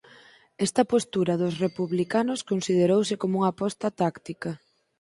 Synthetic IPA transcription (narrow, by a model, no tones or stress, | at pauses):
ɛst̪ɐpost̪uɾɐðʊsrepuβlikanʊskonsiðeɾowsɪkomuŋapɔst̪ɐt̪akt̪ikɐ